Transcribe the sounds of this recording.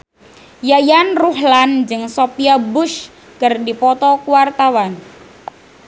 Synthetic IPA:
jajanruɦland͡ʒɨŋsopiabʊʃ | kərdipɔt̪ɔkuwart̪awan

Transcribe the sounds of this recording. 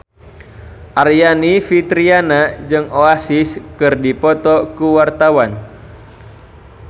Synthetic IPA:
ʔarjanifit̪ɾianad͡ʒɨŋoasiskɨrdipɔt̪ɔkuwart̪awan

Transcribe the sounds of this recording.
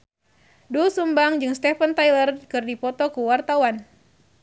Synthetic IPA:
dusumbaŋd͡ʒɨŋst̪ɛfənt̪ajlərkɨrdipɔt̪ɔkuwart̪awan

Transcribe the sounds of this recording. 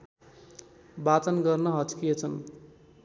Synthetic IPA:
bat͡sʌnɡʌrnʌɦʌt͡skijet͡sʰʌn

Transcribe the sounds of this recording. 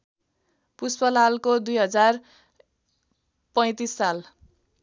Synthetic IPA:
puspʌlalkod̪ujɦʌd͡zar | pʌj̃t̪isːal

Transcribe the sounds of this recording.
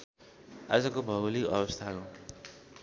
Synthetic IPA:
ad͡zʌkobʱʌwlikʌbʌst̪ʰako

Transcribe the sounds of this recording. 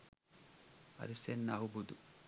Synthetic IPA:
ɐ̰ɾisenːaɦubud̪u

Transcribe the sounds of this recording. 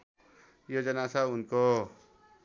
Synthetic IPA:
jod͡ʒʌnasaunko

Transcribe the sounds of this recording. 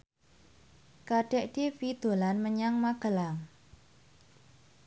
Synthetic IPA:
kaɖ̥ɛʔɖ̥efid̪̥o̤lanməɲaŋmaɡ̥əlaŋ

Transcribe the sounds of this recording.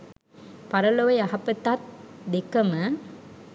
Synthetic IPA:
pɐɾɐloʋɐjaɦɐpət̪at̪̚d̪ekɐmə

